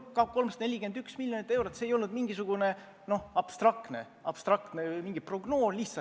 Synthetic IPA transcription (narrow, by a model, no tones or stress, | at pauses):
kɑko̞lmst̪ne̞lʲike̞nd̪yksmiljonit̪ːˑe̞wɾot̪ːseːjo̞lnud̪miŋɡ̥isuɡ̥une̞ | no̞ɑb̥st̪rɑkt̪ne̞̰ | ɑb̥st̪rɑk̚t̪nejmiŋɡ̥ipro̞ɡno̞ːsliçsɑ